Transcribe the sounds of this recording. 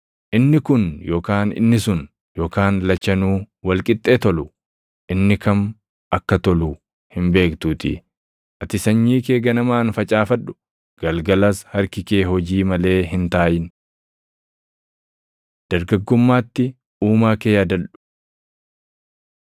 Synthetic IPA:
ʔɪnːɪkʊnjoːkaːnɪ̰nːɪsʊn | jo̞ːkaːnlɐt͡ʃːɐnuː | wɐlkʼɪt̪ʼːeːt̪ɔlʊ | ʔɪnːɪkɐm | ɐkːɐt̪ɔluː | hɪmbe̞ːkt̪uːt̪ɪ̰ | ʔɐt̪ɪsɐɲːiːkeːɡɐnɐmaːnfɐt͡ʃʼaːfɐᶑʊ̥ | ɡ̥ɐlɡɐlɐshɐɾkɪkeːɦɔd͡ʒiːmɐle̞ːɦɪnt̪aːjɪn | d̪̥ɐɾɡɐɡːʊmːaːt̪ːɪ | uːmaːkeːjaːd̪ɐlᶑʊ̥

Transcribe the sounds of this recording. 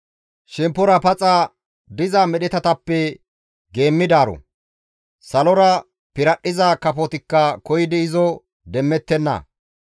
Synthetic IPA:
ʃɛmpːɔɾɐpɐt͡sʼa | d̪ɪzamɛɗɛt̪ɐt̪ɐpːɛ | ɡe̞ːmːɪd̪aːɾɔ̰ | sɐlɔɾɐ | pɪɾɐɗːɪzakɐpɔt̪ɪkːɐkɔjɪd̪ɪɪzɔ | d̪ɛmːɛt̪ːɛnːɐ̰

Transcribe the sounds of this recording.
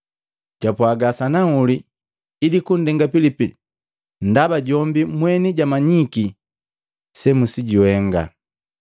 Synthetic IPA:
ɟ̥apwaɡasanauliː | dikundɛŋɡapilipi | n̩dabaɟɔmbimwɛniɟamaɲiki | sɛmusiɟiwɛŋɡa̰

